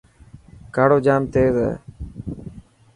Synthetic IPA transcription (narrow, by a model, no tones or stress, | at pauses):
kaːɽoːd͡ʒaːmt̪eːzɛ̰ː